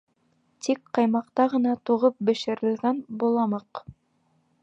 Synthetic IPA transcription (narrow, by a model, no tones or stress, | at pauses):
t̪ikqɑjmɑqt̪ɑʁɤ̆nɑt̪uʁɤp̚bɘ̆ʃɘ̆ɾɘ̆lɡænbulˠɑmɤq